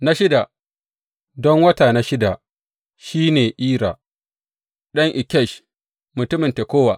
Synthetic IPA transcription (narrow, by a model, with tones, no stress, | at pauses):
na˦ʃɪ˦da˨ | dɔ˦ŋwɐ˦taː˨na˦ʃɪ˦da˨ | ʃiː˦neː˨ʔiː˦ɾa˨ | ɗɐ˦ŋʔɪ˨kʲɛ˦˨ʃ | mʊ˨tʊ˦mɪ˨nte˨kʷoː˦wa˨